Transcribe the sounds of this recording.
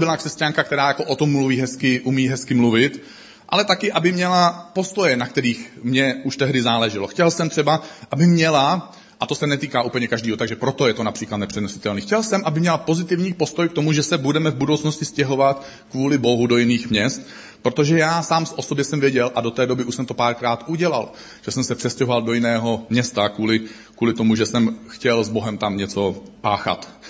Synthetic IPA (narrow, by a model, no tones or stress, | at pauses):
bɪlakr̥ɛscaŋkak̚t̪ɛɾaːjako̞ʔot̪omːluviːɦɛskɪʔumiːɦɛskɪmluvɪt̪ | ʔa̰lɛt̪akɪʔabɪmɲɛlapo̞st̪o̞jɛnak̚t̪ɛɾiːxmɲɛuʃt̪ɛɦdɪzaːlɛʒɪlo̞xcɛlsɛmt̪r̥ɛbaʔabɪmɲɛla | ʔat̪o̞sɛnɛt̪iːkaːʔuːpl̩ɲɛkaʒdiːɦot̪aɡʒɛpɾo̞t̪o̞jɛt̪o̞napr̥iːklat̪nɛpr̥ɛnosɪ̥t̪ɛlniːxcɛlsɛmʔabɪmɲɛlapo̞zɪt̪ɪvɲiːpo̞st̪o̞jkt̪o̞muʒɛsɛbudɛmɛvbudo̞wt͡sno̞scɪscɛɦo̞vat̪ | kvuːlɪbo̞ɦudo̞jɪniːxmɲɛst̪ | pɾot̪oʒɛjaːsaːmsʔosobjɛsɛmvjɛɟɛlʔado̞t̪ɛːdo̞bɪuʃsɛmt̪o̞paːɾkɾaːt̪ʔuɟɛla̰l | ʒ̥ɛsɛmsɛpr̥ɛscɛɦovaldo̞jɪnɛːɦo̞mɲɛst̪akuːlɪ | kuːlɪt̪o̞muʒɛsɛmxcɛlzbo̞ɦɛmt̪amɲɛt͡so̞paːxa̰t̪